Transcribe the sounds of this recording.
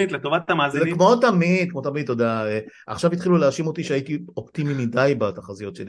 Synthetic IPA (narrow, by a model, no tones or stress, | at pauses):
it̪let̪ovat̪tamaːziznekmo̞t̪amid̪̚kmo̞t̪amid̪̚t̪ːo̞d̪aea̰χʃavit̪χiluleaʃimo̞t̪iʃeajit̪iopt̪imimidajbat̪aχazijo̞tʃeli